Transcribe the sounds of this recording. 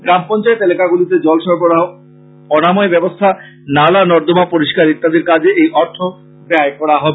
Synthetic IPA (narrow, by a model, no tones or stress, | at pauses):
ɡɾampɔnt͡ɕaet̪elekaɡulit̪ed͡ʑɔlʃɔɾboa | ɔnamɔebɛbost̪ʰa | nalanɔɾd̪omapoɾiʃkaɾit̪ːad̪eɾkad͡ʑʱeʔejʔɔɾt̪ʰo | pɾeaekɔɽaɦɔbee